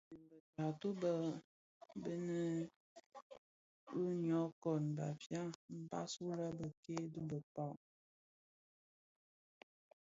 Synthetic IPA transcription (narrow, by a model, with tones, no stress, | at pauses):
bə˨ta˨to˦bə˦ | bə˦nə˦ | u˦ɲɔ˨˦kɔ˨nba̰˨fja˦m̩˦ba̰˦su˦ɾə˦bə˨ke˦du˦bə˨pa˦˨